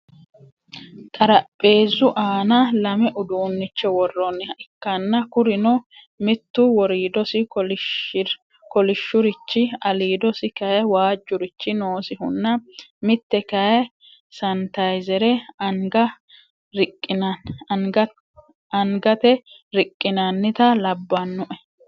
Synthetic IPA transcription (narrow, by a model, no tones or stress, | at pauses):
t̪ʼɐɾɐpʼːe̞ːzːʊʔaːnɐlɐmɛʔʊd̪uːnːɪt͡ʃːɛwɔrːɔnɪkːɐnːɐkʊɾɪnɔ | mɪt̪ːʊwɔɾiːd̪ɔsɪ | kɔlɪʃːʊɾɪt͡ʃːɪɐliːd̪ɔsɪkɐjwaːd͡ʒːʊɾɪt͡ʃːɪnoːsɪhʊ̰nːɐmɪt̪ːɛkɐjɐ | sɐnt̪ɐjzɛɾɛɐŋɡɐ | ɾɪkʼːɪnɐnɡ | ɐŋɡɐt̪ɛ | ɾɪkʼːɪnɐnːɪt̪ɐlɐbːɐnːʊʔɛ